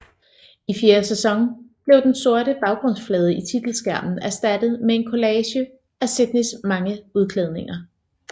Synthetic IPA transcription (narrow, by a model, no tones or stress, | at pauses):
ifje̝ːɐsesɒ̽ŋb̥le̝ʊd̥enso̝ɐ̰ɾəb̥ɑ̈ʊɡ̥ʁɔ̽n̰sflɛːð̞ˠəit͡sʰid̥l̩sɡ̥æɐ̰mn̩æɐsd̥æd̥əð̞̩ˠmee̝nkʰo̝lɛːɕə | ʔæsed̥nismɑ̈ŋəuð̞ˠkʰlɛð̞ˠne̝ŋɐ